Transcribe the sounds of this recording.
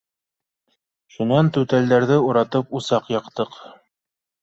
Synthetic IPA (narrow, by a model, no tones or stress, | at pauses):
ʃunɑnt̪ʉt̪æld̪æɾðɘuɾɑt̪ɤpusɑqjɑqt̪ɤq